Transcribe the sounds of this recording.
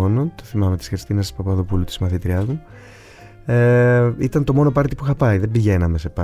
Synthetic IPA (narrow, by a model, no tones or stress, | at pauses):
onot̪oθimɐme̞t̪i̥sxɾist̪inɐst̪i̥spɐpɐðo̞pulut̪i̥zmɐθit̪ɾiɐzmu | eit̪ɐnt̪o̞mo̞no̞pɐɾt̪ipuxɐpɐiðe̞mbiʝe̞nɐme̞se̞pɐ